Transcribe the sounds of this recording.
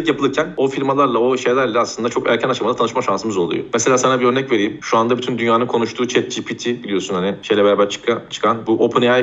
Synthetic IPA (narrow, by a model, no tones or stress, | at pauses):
icjapɯɯɾcʰæno̞fiɾmalˠaɾlˠao̞ʃe̞jlʲæɾlʲɛaslˠɯnd̪at͡ʃʰo̞kæ̰ɾcʰænat͡ʃamad̪at̪ʰanɯʃmaʃansɯmɯzo̞lˠṵjo̰mese̞lʲaːsanabiɾø̞ɾnɛcve̞ɾijimʃuand̪abyt̪ʰynd̪ynjaːnɯnkʰo̞nuʃt̪ʰuːt͡ʃʰɛt̪̚d͡ʒiːpʰit̪ʰibilʲijo̞sunhanɪʃe̞jlʲɛbeɾaːbæɾt͡ʃʰɯ̥kʰat͡ʃʰɯ̥kʰanbuʔo̞pʰɯneaj